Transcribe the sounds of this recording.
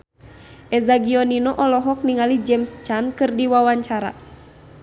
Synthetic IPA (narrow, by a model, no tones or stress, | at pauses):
ʔɛzaɡiɔninɔʔɔlɔɦɔk̚niŋalid͡ʒɛmst͡ʃankɨrdiwawaɲt͡ʃaɾa̰